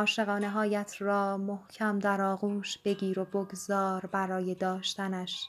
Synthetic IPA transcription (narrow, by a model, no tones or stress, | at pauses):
ɒːʃe̞ɣɒːne̞ɦɒːjæt̪ʰrɒːmohcʰæmd̪æɾɒːɣuːʃb̥e̞ɟiːɾo̞boɡzɒːɾbæɾɒːje̞d̪ɒːʃt̪ænæʃ